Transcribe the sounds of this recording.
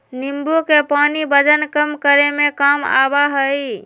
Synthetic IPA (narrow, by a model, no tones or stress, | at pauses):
nimbukepanibəd͡ʒənkəmkəɾemekəma̰baɦəj